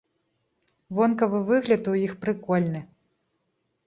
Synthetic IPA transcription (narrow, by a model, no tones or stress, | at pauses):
vɔnkɐvɨvɨɣlʲɐt̪ujixpɾɨkɔlʲnɨ